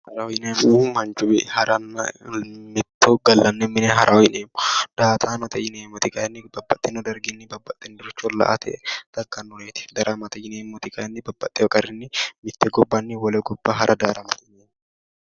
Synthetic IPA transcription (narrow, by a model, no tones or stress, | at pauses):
hɐɾɐɔjɪneːmumɐnt͡ʃʊbɛʔhɐɾɐnːɐmɪt̪ːoɡɐlːɐnːɛmːɪnɛɦɐɾʔɐwɔjɪneːmːʊd̪̥aːt̪ʰaːnɔt̪ʰɛjɪneːmːɔt̪ɪkɐɛnːɪbɐbːɐt̪ʼːɛnɔd̪ɐɾɡɪnːɪbɐbːɐt̪ʼːɛnd̪ʊɾɐt͡ʃːɔlːɐ̰ʔat̪ʰɛʔɛt̪ɐkːɐnːʊneːt̪ɪ̥d̪ɐɾʔamɐt̪ɛjɪneːmːɔt̪ɪkʼɐɛnːɪbɐbːɐt̪ʼːɛɔkʼɐɾɪnːɪmɪt̪ːɛɡɔbːɐnːɪwɔlɛɡɔbːaɦɐɾʔɐd̪aːɾɐmɐt̪ɛneːmː